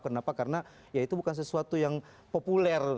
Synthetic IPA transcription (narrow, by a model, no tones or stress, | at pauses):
kənapakaɾəna | jait̪ubukans̬əsuat̪ujaŋ | populɛr